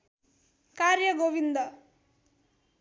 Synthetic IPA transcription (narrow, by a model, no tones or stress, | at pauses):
kaːɾjɐɡoːʋind̪ɐ